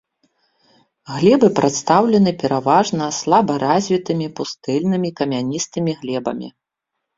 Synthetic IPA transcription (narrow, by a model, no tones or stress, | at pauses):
ɣlʲɛbɨpɾat̪st̪awlʲɛnɨpʲɛɾavaʐnɐslˠabɐɾazʲvʲit̪ɨmʲipust̪ɨlʲnɨmʲikɐmʲanʲist̪ɨmʲiɣlʲɛbɐ̰mʲḭ